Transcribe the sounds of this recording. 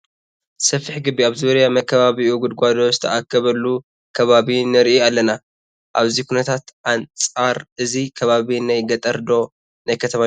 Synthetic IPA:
sɐfːiħɡɨbːiaβzuɾjamɐkʰːɐβaβiʔuɡud̪ɡʷad̪o̞zɨ̥t̪ʰɐʔakʰːɐβɐlːu | kʰɐβaβinɨɾʔialːɐna | ʔaβzikʰunɐt̪ʰat̪ʔant͡sʼaɾʔɨzikʰɐβaβinajɡɐt̪ʼɐɾd̪o̞ | najkʰɐt̪ʰɐma

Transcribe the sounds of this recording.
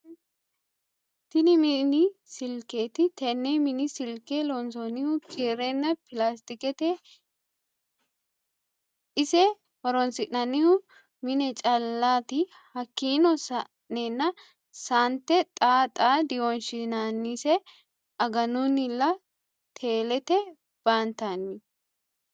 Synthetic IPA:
t̪ɪnɪmɪnɪsɪlkeːt̪ɪt̪ɛnːemɪnɪsɪlkelɔnsɔnːɪhʊkʰeːɾɛnːɐpɪlast̪ɪkɛt̪ɛ | ʔɪsɛ | hɔɾɔnsɪʔnɐnːɪhʊ | mɪnɛt͡ʃʼɐlːaːt̪ɪ | hɐkːiːnɔsɐ | neːnːɐ | sant̪ːɛt̪ʼaːt̪ʼaːd̪ɪwɔnʃɪnanːisɛ | ʔɐɡɐnʊnɪlːɐ | t̪ʰe̞ːlɛt̪ɛ | b̥aːnt̪anːɪ

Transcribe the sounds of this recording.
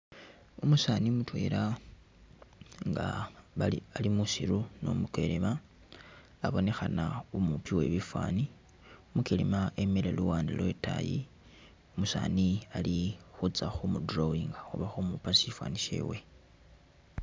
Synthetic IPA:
umusaːnimutwe̞ːɾa | ŋɡaβaialimusiɾuno̰mukwe̞lemaː | βo̞ne̞xanaumupiwe̞βifwaːni | umukelḭmae̞meleluwaːndilwe̞ta̰jḭ | umusaːnialixut͡saxumudrowiŋɡaxuβaxumupasifwa̰ːniʃḛwe

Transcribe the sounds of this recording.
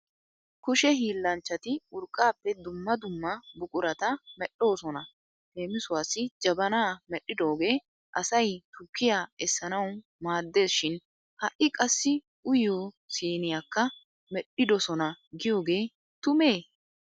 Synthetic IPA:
kʊʃɛɦiːlːɐnt͡ʃːɐt̪ɪʊɾkʼːaːpːɛd̪ʊmːɐd̪ʊmːɐbʊkʼʊɾɐt̪ɐmɛɗːo̞ːsɔnɐ | t̪e̞ːmɪsʊwaːsːɪd͡ʒɐbɐnaːmɛɗːɪd̪o̞ːɡe̞ː | ʔɐsɐjt̪ʊkːɪjaːɛsːɐnɐw | maːd̪ːe̞ːsʃɪn | hɐʔɪkʼɐsːɪ | ʔʊjoː | siːnɪjaːkːɐ | mɛɗɪd̪ɔsɔnɐɡɪjo̞ːɡe̞ː | t̪ʊme̞ː

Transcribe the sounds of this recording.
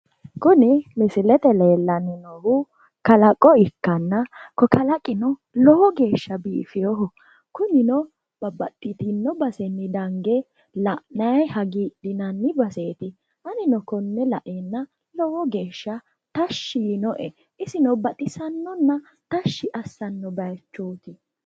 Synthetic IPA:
kʊnɪlɪsɪlɛt̪ɛleːlːɐnːɪnɔhʊ | kɐlɐkʼːɔɪkːɐnːɐkɔkɐlɐkʼɪnɔlɔwɔɡe̞ːʃːɐbiːfɪjɔɦɔ | kʊnɪnɔ | b̥ɐbɐt̪ʼːɪt̪ɪnːɔbɐsɛnːɪd̪ɐŋɡɛ | lɐʔnɐjhɐɡiːɗɪnɐnːɪbɐseːt̪ɪ | ʔɐnɪnɔkɔnːɛlɐʔenːɐ | lɔwɔɡe̞ːʃːɐ | t̪ɐʃːɪnɔʔɛ | ʔɪsɪnɔbɐt̪ʼɪsɐnːɔnːɐ | t̪ɐʃːɪʔɐsːɐnːɔbɐjt͡ʃːoːt̪ɪ

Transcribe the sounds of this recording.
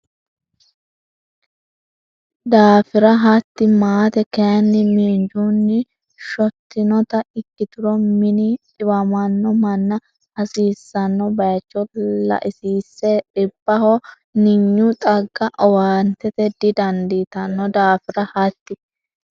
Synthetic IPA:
d̪aːfɪɾɐɦɐt̪ːɪmaːt̪ɛkɛjɐnːɪmiːnd͡ʒunːɪ | ʃɔt̪ːɪnɔt̪ɐɪkːɪt̪ʊɾɔmɪnɪtɪbɐmɐnːɔmɐnːɐ | ɐsiːsːɐnːɔbɐjt͡ʃːɔlɐ̰ʔɪsiːsːɛᶑɪbːɐhɔ | nɪɲːʊt̪ʼɐɡːɐʔɔwaːnt̪ɛt̪ɛd̪ɪd̪ɐnd̪it̪ɐnːɔd̪aːfɪɾɐhɐt̪ːɪ

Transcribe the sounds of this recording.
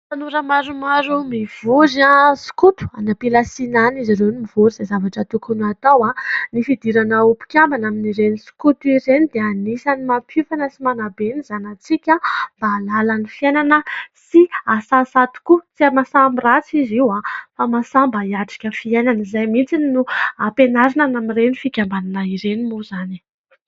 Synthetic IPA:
anuɾəmaɾumaɾumiv̥uzasi̥kut̪u̥a̰napilasinanizaɾewnimivuɾizajzavaʈ͡ʂət̪ukunuat̪awanifid̪iɾanaupi̥kʲambanaminiɾenisi̥kut̪uiɾenid̪eanisanimapʰufanəsimanabenizanat͡sikʲambaːlalanifiejnanəsiasasat̪u̥kut͡siamasambirat͡siziwafamasambaiaʈ͡ʂḁkʲəfiejnanizajmint͡sinnuapenaɾinanamirenifikʲambananaiɾenimuzani̥

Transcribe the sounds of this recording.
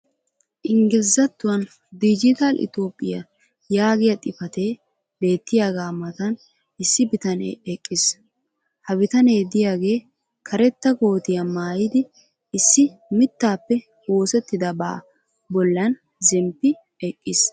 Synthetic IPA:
ʔɪŋɡɪlɪzɐt̪ːʊwɐn | d̪ɪd͡ʒɪt̪ɐlʔɪ̰t̪o̞ːpʼːɪjɐ | jaːɡɪjɐt̪ʼɪfɐt̪e̞ː | be̞ːt̪ːɪjaːɡaːmɐt̪ɐn | ɪsːɪbɪt̪ɐnḛːɛkʼːɪs | hɐbɪt̪ɐne̞ːd̪ɪjaːɡe̞ː | kʰɐɾɛt̪ːɐɡo̞ːt̪ɪjɐmaːjɪd̪ɪː | sːɪmɪt̪ːaːpːɛ | wo̞ːsɛt̪ːɪd̪ɐba̰ː | bɔlːɐn | zɛmpːɪ | ɛkʼːɪs

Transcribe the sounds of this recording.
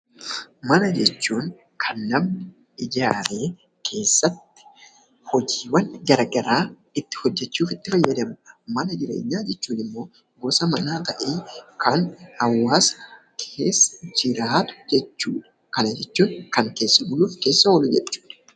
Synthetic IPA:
mɐnɐd͡ʒɛt͡ʃːuːŋ | kʰɐnːɐmnɪ | ɪd͡ʒaːɾe̞ː | kʰe̞ːsːɐt̪ːɪ̥ | hɔd͡ʒiːwɐnːɡɐɾɡɐɾaː | ɪt̪ːɪ̥hɔd͡ʒːɛt͡ʃːuːfɪt̪ːɪfɐjːɐd̪ɐmʊmɐnɐd͡ʒɪɾe̞̰ːɲːaːd͡ʒɛt͡ʃːuːnɪmːo̞ː | ɡosɐmɐnaːt̪ɐʔeːkʰɐnhɐwːaːs | kʰe̞ːsːɐ̥d͡ʒɪɾaːt̪ʊ̥d͡ʒɛt͡ʃːuːᶑɐ̥ | kɐnɐd͡ʒɛt͡ʃːuːŋkɐŋke̞ːsːɐbʊluːfke̞ːsːɐwɔlʊd͡ʒɛt͡ʃːu̥ːᶑɐ̥

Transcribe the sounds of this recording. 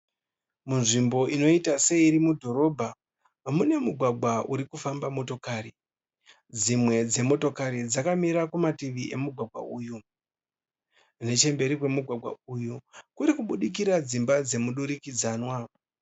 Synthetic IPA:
munʐimbo̞ino̞itase̞iɾimudʱo̞ɾo̞bʱa | ɦamune̞muɡʱwaɡʱwaʔuɾikufambamo̞to̞kaːri | d͡zimwe̞d͡ze̞mo̞to̞kaɾid͡zakamiɾakumatiʋiʔe̞muɡʱwaɡʱwa̰uːju | ne̞t͡ʃe̞mbe̞ɾikwe̞muɡʱwaɡʱwa̰ujukuɾikuɓuɗik̬iɾad͡zimbad͡ze̞muɗuɾikid͡zaːnwa

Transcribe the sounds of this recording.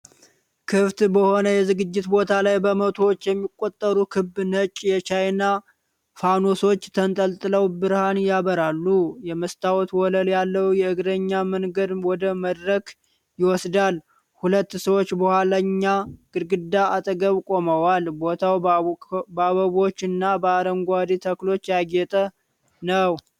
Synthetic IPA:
kʰɨft̪bəho̞nəjɛzɨɡɨd͡ʒːɪt̪bo̞t̪ʰalajbəmət̪ʰowot͡ʃːjɛmːikʼːo̞t̪ʼːəɾukʰɨbɨnət͡ʃʼjɛt͡ʃʰajna | fanoso̞t͡ʃːt̪ʰənt̪ʼəlt̪ʼɨləwbɨɾhanjaβəɾalːujɛməst̪ʰawɔt̪wɔləljalːəwjɛɨɡɾəɲːamənɡəd̪wɔd̪əməd̪ɾək | jɪwɔsd̪al | hulət̪ːsəwot͡ʃːbəhʷalaɲːaɡ̥ɨɾɡɨd̪ːaat̪ʼəɡəβkʼo̞məwalbo̞t̪ʰaw | baβəβo̞t͡ʃːɨnːabəaɾəŋɡʷad̪it̪ʰəklo̞t͡ʃːjaɡɛt̪ʼə | nəw

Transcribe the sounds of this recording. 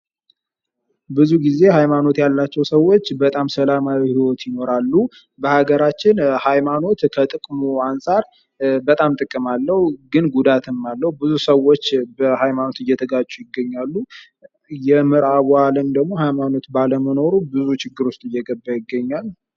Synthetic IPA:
bɨzuɡize̞ɦajmano̞t̪jalːat͡ʃːɛwsəwːo̞t͡ʃːbət̪ʼamsəlamawihiwɔt̪jɪno̞ɾalːu | bəhaɡəɾat͡ʃːɪnhajmano̞t̪kʰət̪ʼɨkʼmuansʼaɾ | bət̪ʼamt̪ʼɨkʼːɨmalːəhuɡɨnɡud̪at̪ʰɨmːalːəhubɨzusəwːot͡ʃːbəhajmano̞t̪ɨjːɛt̪ʰəɡat͡ʃːujɪɡːəɲːalːu | jɛmɨɾawalənmd̪əɡmo̞hajmano̞t̪baləməno̞ɾubɨzut͡ʃʰɪɡːɨɾwʊst̪ʼɨjːɛɡəbːəjɪɡːəɲːal

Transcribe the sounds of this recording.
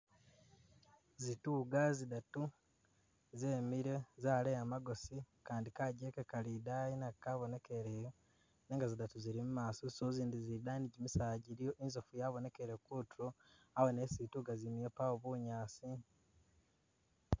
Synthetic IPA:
zituːɡazidatu | zeːmiɾezaːleamaɡo̞si | kaːndikaɟekekalidajinakaβo̞ne̞ke̞ɾeːjo | neːŋɡazidatuziɾimumaːsosoziːndizidaːniɟimisaːɟiɾijo̞ʔinzofujaβo̞ne̞keɾekutuɾo | awene̞ːsituɡazimijepawoβuɲaːsi

